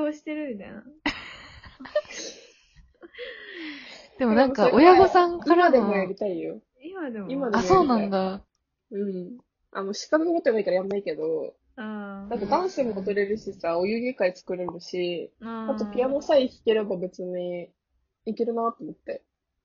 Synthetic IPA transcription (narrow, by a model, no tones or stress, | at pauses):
oːɕi̥t̪eɾɯnd̪a̰ | d̪̥e̞monãŋkaojaɡosãŋkiamad̪e̞mojaɾʲit̪aijo̞̰ | imad̪eimad̪eamojsoaːnãnd̪a | ɯ̟̃ɴ | a̰no̞ɕi̥kanokot̪ːoɡaikaɾajamaike̞d̪o̞ | ad̪at̪ːad̪ãɰ̃semoːt̪oɾe̞ɾɯ̟ɕisaojɯ̟ɡʲikait͡sɨ̥kɯ̟ɾeɾɯ̟ɕiat̪o̞pʲijanosaikʲi̥keɾebabe̞t͡sɨɲ̟i | ikʲeɾɯ̟nat̪ːomo̞t̪ːe̞